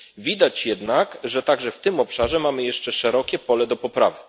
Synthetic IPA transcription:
vʲid̪at͡ɕjɛd̪nakʐɛt̪aɡʐɛft̪ɘmɔpʂaʐɛmamɘjɛʂt͡ʂɛʂɛɾɔkʲɛpɔlɛd̪ɔpɔpɾa̰vɘ

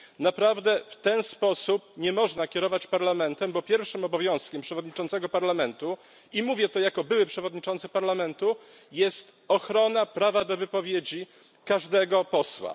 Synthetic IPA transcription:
napɾavd̪ɛft̪ɛnspɔsupɲɛmɔʐnakʲɛɾɔvat͡ɕpaɾlamɛnt̪ɛmbɔpʲjɛɾfʂɘmɔbɔvʲjɔ̃w̃skʲɛmpʂɛvɔd̪ɲit͡ʂɔnt̪sɛɡɔpaɾlamɛnt̪u | imuvʲjɛt̪ɔjakɔbɘwɘpʂɛvɔd̪̚ɲit͡ʂɔ̃nt̪sɛpaɾlamɛnt̪u | jɛst̪ | ɔxɾɔnapɾavad̪ɔvɘpɔvʲjed͡ʑi | kaʐd̪ɛɡɔpɔswa̰

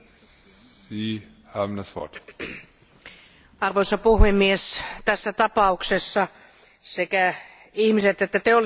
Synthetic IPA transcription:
siː | haːbm̩dasv̥ɔ̰ɐt | ɑrʋoisɑpuhemːiest̪æsːæt̪ɑpɑuksesːɑ | sekæ | ihmiset̪et̪ːæt̪eolˑ

